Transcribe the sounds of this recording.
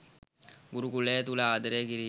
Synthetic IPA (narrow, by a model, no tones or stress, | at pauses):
ɡuɾukuleːt̪ulaaːd̪ɐɾeːkiɾiː